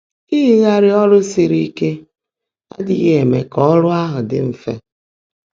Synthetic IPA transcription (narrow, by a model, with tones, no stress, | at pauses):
i˦ɦi˦ɣa˦ɾɪ˦ɔ˦lʊ˦si˨ɾi˦ke˦ | a̰˦dɪ˨ɣe˦e˨mḛ˨kɔ˦ɾʊ˦a˦ɦʊ˨dɪ̰˦m̩˦fḛ˦